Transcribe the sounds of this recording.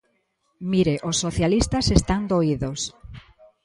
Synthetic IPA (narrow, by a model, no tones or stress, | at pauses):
miɾeʔosːoθjalist̪ɐsest̪aŋd̪oiðos